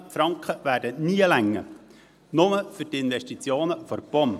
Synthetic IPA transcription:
fɾɑŋkχəʋæːɾdəniːəlæŋːə̰ | nʊməfʏɾtɪnʋɛʃtit͡sjoːnəfɔɾb̥ɔn

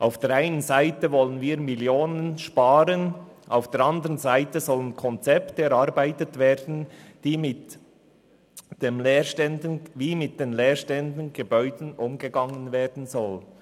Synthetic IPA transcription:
ʔaʊfd̥eːɾaɪnənzaɪtəvɔlənviːɾmiljoːnənʃpaːɾən | ʔaʊfd̥eːɾɑndəɾənzaɪtəzɔlənkʰɔnt͡sɛptəɛɾɑɾbaɪtətveːɾdn̩d̥iːmɪt | d̥emleːʃtɛndənviːmɪt̚d̥eːnleːɾʃtɛndn̩ɡ̥əbœʏdn̩ʔʊmɡəɡɑŋənveːdn̩zɔl

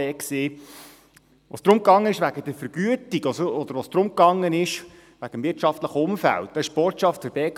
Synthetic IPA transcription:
ɛːkseː | ʋoːsd̥ɾʊmkɑŋːənɪʃʋæɡəd̥̪əɾfəɾɡ̥yətiɡɔsəɔd̪əɾʋoːsd̪̥ɾʊmkɑŋːənɪʃ | ʋæɡ̥əmvɪtʃɑft̪ləχəʊmfæ̰lt̚d̥ɑɪʃb̥ɔrtʃɑftfəɾb̥ɛːk

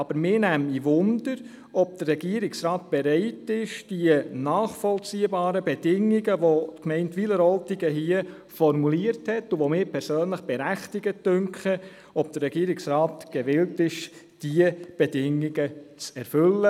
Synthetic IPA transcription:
ɑb̥əɾmɪːnæmiʋʊnd̥əɾ | ɔb̥̚d̥ərːɛɡ̥iəɾɪksɾɑːt̚b̥ɛɾɛɪtɪʃd̥iənɑːχfɔlt͡siːəbɑːɾəbɛd̥ɪŋiɡəʋotkmɛɪntʋiːləɾɔltiɡ̥əɦiə | fɔɾmuliəɾthɛtuʋomɪːɾpʰɛɾsøːnləχb̥ɛɾæχtɪɡ̥ətːʏŋkχə | ɔb̚d̥əɾrːɛɡ̥iːɾɪksɾaːtɡ̥ɛʋɪltɪʃ | d̥iəb̥ɛd̥ɪŋiɡ̥ət͡sɛɾfølːə

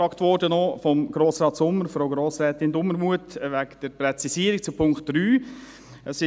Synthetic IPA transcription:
ɑːktʋɔɾdənofɔmɡ̥ɾoːsɾɑːtsʊmːəɾfɾoʊɡɾoːsɾɛːt̪ɪndʊməɾmuətʋækd̥əɾprɛt͡sisiːəɾik̚t͡supʰʊŋkt̚d̥ryː | əsɪ

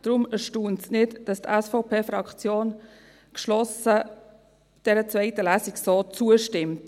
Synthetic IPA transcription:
d̥ɾʊməʃtuːntsnɪtd̥ɑstɛsfɔʊpʰeːfɾɑkt͡sjoːn | kʃlɔsə | d̥ɛɾət͡svɛɪtəlæːsiksoːt͡suəʃtɪmt

